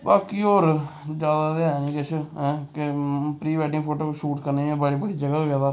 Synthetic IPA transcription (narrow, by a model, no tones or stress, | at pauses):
baːkiːoːɾd͡ʒjaːd̪aːd̪eanĩːkɪt͡ʃʰɦɛ̃ːkepɾiːbɛːʈɪ̃ŋɡpʰoːʈoːkːʃuːʈkəɾneːẽbəɽiːbəɽiːd͡ʒəɡaːoɡɛːd̪aː